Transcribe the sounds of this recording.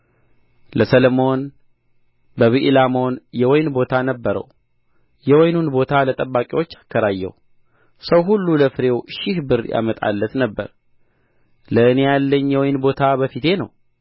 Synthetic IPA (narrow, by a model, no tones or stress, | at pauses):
ləsələmo̞n | bəβiʔlamo̞njɛwɔjnbo̞t̪ʰanəbːəɾə̰w | jɛwɔjnunbo̞t̪ʰalət̪ʼəbːakʼiwot͡ʃːḁkʰːəɾajːɛ̰w | səwɦulːuləfɨɾe̞wʃɪhbɨɾja̰mət̪ʼa̰lːət̪nəbːə̰ɾ | ləɨnejalːəɲːjɛwɔjnbo̞t̪ʰabəfit̪ʰe̞nəw